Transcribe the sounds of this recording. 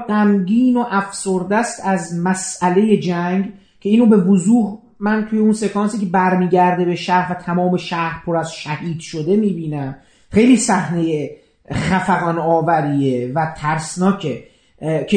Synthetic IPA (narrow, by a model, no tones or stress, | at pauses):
ɡæmɟiːnoʔæfsoɾd̪æst̪æzmæsæle̞je̞d͡ʒæŋɡ | cʰe̞iːnɾobe̞vozuːh | mænt̪ʰuːjeunse̞kʰɒːnsiːcʲʰe̞bæɾmiːɟæɾd̪e̞be̞ʃæɾvæt̪ʰæmɒːme̞ʃæhɾpʰoɾæzʃæhiːd̪ʃod̪e̞miːbiːnæm | xe̞jliːsæhneje | χæfæɣɒnɒːvæɾiːevæt̪ʰæɾsnɒːcʰe | cʰe